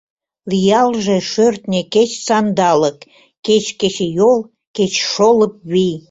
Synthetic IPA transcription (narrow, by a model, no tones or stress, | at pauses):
lijɑlʒeʃørt̪nʲeket͡ɕsɑnd̪ɑlək | ket͡ɕket͡ɕejol | ket͡ɕʃoləp̚βij